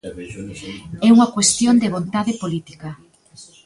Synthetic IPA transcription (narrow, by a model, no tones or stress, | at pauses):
ɛuŋɐkwest̪jond̪eβont̪aðepolit̪i̥kɐ